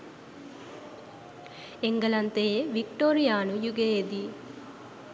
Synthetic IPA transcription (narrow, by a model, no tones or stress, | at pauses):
eŋɡɐlɐnt̪eːʋikʈoːɾijaːnujuɡeːd̪i